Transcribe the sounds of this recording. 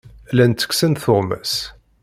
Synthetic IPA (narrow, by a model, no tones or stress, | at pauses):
lænt͡sːə̥ksənθʊʁmæ̰s